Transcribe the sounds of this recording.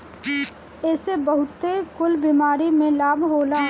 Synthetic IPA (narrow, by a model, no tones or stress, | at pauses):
ɛːsebəɦʊt̪ekʊlbimaːɾimẽlaːbɦoːla